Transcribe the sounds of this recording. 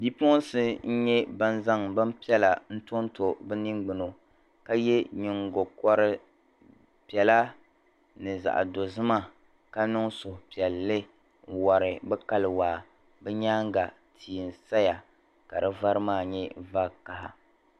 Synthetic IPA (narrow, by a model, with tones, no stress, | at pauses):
bi˦po˦n˦sɨ˦n̩˦ɲɛ˦ba˦n˦za˦ŋbɨ˦m˦pi˦ɛ˦la˨n̩˦to˦n˦to˨bɛ˦ni˦ŋɡ͡bɨ˨no˨ | ka˦jɛ˦ɲɪ˨ŋɡo˨kɔ˦ɾɨ˦ | pi˨ɛ˨la˦ | nɨ˨za̰˨ʔa̰˨do˨zɨ˦ma˦ | ka˦nʊ˦ŋsʊ˨pi˨ɛ˨lːɨ˦˨ | wa˨ɾɨ˨bɛ˦ka˦lɨ˨waː˨ | bɛ˦ɲaː˦ŋ˦ɡa˨ | tʰiː˨n˨sa˦ja˨ | ka˨ɾɨ˦va˦ɾɨ˦maː˦˨ɲɛ˦va˦ka˨ha˨